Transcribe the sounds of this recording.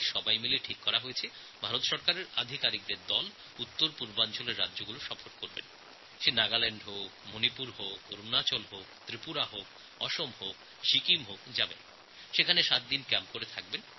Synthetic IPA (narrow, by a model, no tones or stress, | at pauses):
ʃɔbajmileʈʰikːɔɾaɦojet͡ɕʰe | bʱaɾot̪ʃɔɾkaɾeɾad̪ʱikaɾik̚d̪eɾd̪ɔl | ut̪ːoɾpuɾbant͡ɕoleɾːadːd͡ʑoɡuloʃɔfʰoɾkoɾbḛn | ʃenaɡalɛɳɖɦomonipuɾɦooɾunat͡ɕolɦokt̪ɾipuɾaɦok | ɔʃomɦok | ʃikimɦokd͡ʑabḛn | ʃekʰaneʃat̪̚d̪inkɛmpkoɾet̪ʰak̚ben